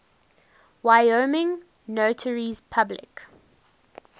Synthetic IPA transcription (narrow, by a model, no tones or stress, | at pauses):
waɪomɪ̃ŋ | notʰəɹizpʰablɪ̰k